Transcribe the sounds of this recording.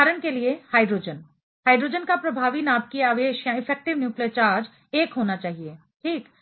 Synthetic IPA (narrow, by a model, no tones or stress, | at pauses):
aːɾəñkeliehaːɪɖɾoːd͡ʒən | haːɪɖɾoːd͡ʒənkapɾɐbʱaːʋinaːb̚kiaːʋeːʃjaɪfʰɛːk̚ʈɪʋnjuːkliət͡ʃaːɾd͡ʒ | eːkɦoːnat͡ʃaːɦieː | ʈʰiːk